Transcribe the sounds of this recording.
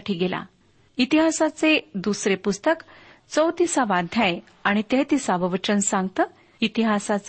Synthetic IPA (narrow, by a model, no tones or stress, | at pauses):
ʈʰiːɡela̰ | it̪iɦasat͡sed̪usɾepust̪ək | t͡səwt̪isaʋad̪ʱjaj | aɽ̃it̪et̪isaʋəʋət͡ɕənsãŋɡ̚t̪əː | it̪iɦasat͡s